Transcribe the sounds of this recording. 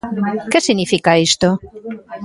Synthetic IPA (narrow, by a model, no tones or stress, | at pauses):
kesiɣnifikaest̪o